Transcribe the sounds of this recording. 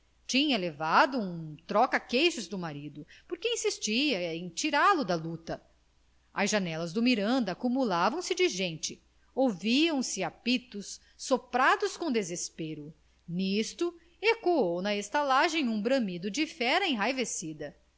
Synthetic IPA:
t͡ʃĩɲɐlevad̪ʊũt̪ɾɔkɐkejʃʊzd̪ʊmaɾid̪ʊpoɾkeĩsist͡ʃiɐẽj̃t͡ʃiɾalʊd̪ɐlut̪ɐ | ɐzʒanɛlɐzd̪ʊmiɾɐ̃nd̪ɐakumulavɐ̃w̃sɪd͡ʒɪʒẽnt͡ʃɪ | owviɐ̃w̃sɪapit̪ʊsː | opɾad̪ʊskõd̪ezespeɾʊ | nist̪ʊ | ekoownɐest̪alaʒẽj̃ũbɾɐ̃mid̪ʊd͡ʒɪfɛɾɐẽj̃ɦajvesid̪ɐ

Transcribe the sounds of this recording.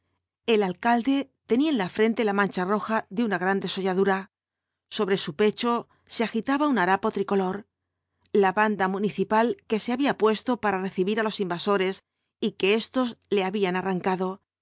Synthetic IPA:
e̞lalkald̪e̞t̪e̞niaenlafɾe̞nt̪e̞lamãnt͡ʃaro̞xaðeunaɣɾand̪e̞so̞ʎaðuɾa | so̞βɾe̞supe̞t͡ʃo̞ | seaxit̪aβaunaɾapo̞t̪ɾiko̞lo̞ɾ | laβand̪amũniθipalke̞seaβiapwe̞st̪o̞paɾare̞θiβiɾalo̞simbaso̞ɾe̞s | ike̞e̞st̪o̞zle̞aβianaraŋkaðo̞

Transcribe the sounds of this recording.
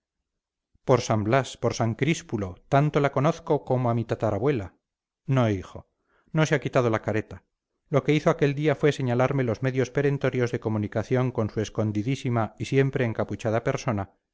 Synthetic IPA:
po̞ɾsamblaspoɾsaŋkɾispulo̞t̪ant̪o̞lako̞no̞θko̞ko̞moamit̪at̪aɾaβwe̞la | no̞ixo̞ | no̞seakit̪að̞o̞lakaɾe̞t̪a | lo̞ke̞iθoake̞ld̪iafwe̞se̞ɲalaɾme̞lo̞zme̞ðjo̞spe̞ɾe̞nt̪o̞ɾjo̞zðe̞ko̞mũnikaθjo̞ŋko̞nsue̞sko̞nd̪iðisimaisje̞mpɾe̞ːŋkaput͡ʃaðape̞ɾso̞na

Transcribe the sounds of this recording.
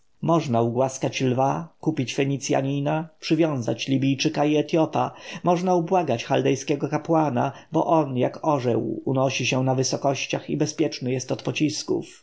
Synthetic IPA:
mɔʐnauɡwaskat͡ɕlvakupʲit͡ɕfɛɲit̪sʲja̰ɲinapʂɘvʲjɔ̃w̃zat͡ɕlʲibʲijt͡ʂɘkaiɛt̪jɔpamɔʐnaubwaɡat͡ɕxald̪ɛjskʲɛɡɔkapwanabɔ̰ʔɔnjakɔʐɛwṵnɔɕiɕɛnavɘsɔkɔɕt͡ɕaxḭbɛspʲjɛt͡ʂnɘjɛst̪ɔt̪pɔt͡ɕiskṵf

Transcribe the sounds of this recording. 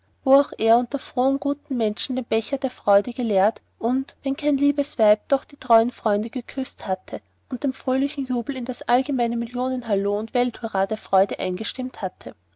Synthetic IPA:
voaʊxʔeːɐʊntɐfʁ̥oːənɡuːtn̩mɛnʃn̩d̥eːmb̥ɛçɐdeːɐfʁ̥ɔʏdəɡəlɛːɐt | ʔʊntvɛnkʰaɪnliːbəsv̥aɪp̚d̥ɔχd̥iːtʁ̥ɔʏənfʁ̥ɔʏndəɡ̥əkʰʏsthatʰə | ʔʊnt̚d̥eːmfʁ̥øːlɪçn̩juːbl̩ɪndasʔalɡəmaɪnəmɪljoːnənɦaloːʊntv̥ɛlthuʁaːdeːɐfʁ̥ɔʏdəʔa̰ɪnɡəʃtɪmthatʰə

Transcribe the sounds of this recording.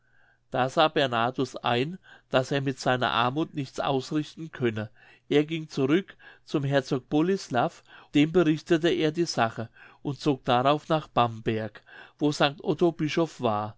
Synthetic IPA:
d̥aːzaːbɛɐnaːtʊsa̰ɪnd̥aseːɐmɪtz̥aɪnɐ̰ʔa̰ɐmuːtnɪçt͡sʔa̰ʊsʁɪçtn̩kʰœnə | ʔeːɐɡɪŋt͡suʁʏkt͡sʊmɦɛɐt͡soːk̚b̥ɔlɪslafd̥eːmbəʁɪçtətəeːɐdiːzaχəʔʊntt͡soːk̚d̥aʁaʊfnaːχb̥ambɛɐkvoːzaŋk̚tʔɔtobɪʃɔfv̥aːɐ

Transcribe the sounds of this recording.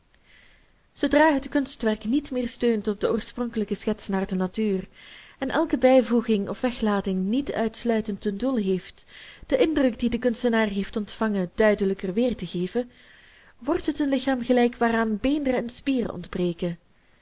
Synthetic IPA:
z̥owdraːɦətkɵnstʋɛrknitmɪːrstøːntɔb̚dəoːɹsprɔŋkələkəsxɛtsnaːrdənatyːrɛnʔɛlˠkəbɛjvuɣɪŋɔ̰fʋɛxlaːtɪŋnitœ̰ɥtslœɥtəntəndulˠɦeːftd̥əʔɪndrɵkdidəkɵnstənaːrɦeftɔntfɑŋədœɥdələkərʋɪːrtəɣeːvə | ʋɔrtɦətənlɪxaːmɣəlɛjkʋaːraːnbeːndərəɛnspiːrə̰ʔɔ̰ndbreːkə

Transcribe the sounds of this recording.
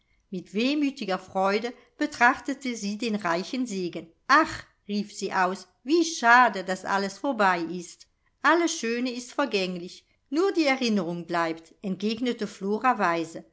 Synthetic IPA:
mɪtv̥eːmyːtɪɡɐfʁ̥ɔʏdə | b̥ətʁ̥aχtətəziːdeːnʁaɪçənzeːɡən | ʔaχ | ʁiːfz̥iːʔaʊs | v̥iːʃaːdədasʔa̰ləsfoɐbaɪʔɪst | ʔaləsʃøːnəɪstfɛɐɡɛŋlɪç | nuːɐdiːɛʁɪnəʁʊŋblaɪptɛnt̚ɡ̥eːɡnətəfloːʁavaɪzə

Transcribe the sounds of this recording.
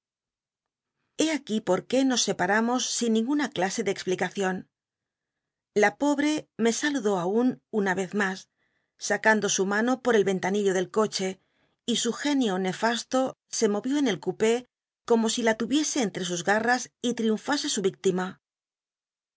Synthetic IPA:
e̞akipo̞ɾke̞no̞sːe̞paɾamo̞sːinːĩŋɡunaklase̞ðeːksplikaθjo̞n | lapo̞βɾe̞me̞saluðo̞aununaβe̞θmasː | akand̪o̞sumãno̞po̞ɾe̞lβe̞nt̪aniʎo̞ð̞e̞lko̞t͡ʃe̞ | isuxe̞njone̞fast̪o̞ | se̞mo̞βjo̞ene̞lkupe̞ | ko̞mo̞silat̪uβje̞se̞ːnt̪ɾe̞s̬uzɣarasit̪ɾiuɱfase̞suβik̚t̪ima

